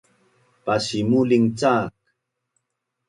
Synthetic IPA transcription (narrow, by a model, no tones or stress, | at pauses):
pasimuliŋt͡saːk̚